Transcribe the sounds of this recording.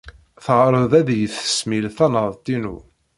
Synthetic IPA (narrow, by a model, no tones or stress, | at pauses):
θʁɾˤəðˤæðjəθə̥smilθænəðˤt̪inṵ